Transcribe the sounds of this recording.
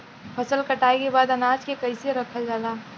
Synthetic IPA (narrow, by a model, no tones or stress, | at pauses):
pʰɐsəlkɐʈaːekebaːd̪ɐnaːd͡ʒkekɐiseɾɐkʰad͡ʒaːd̪aː